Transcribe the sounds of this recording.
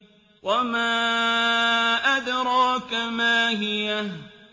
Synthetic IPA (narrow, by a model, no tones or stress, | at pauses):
wʔamaː | ʔad̪ɾˤɑːkamaːɦɪja